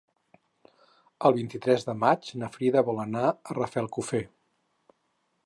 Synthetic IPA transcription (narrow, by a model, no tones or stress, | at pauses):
əlˠβint̪it̪ɾɛzðəmad͡ʒnəfɾiðəβɔlənaərəfɛlˠkufe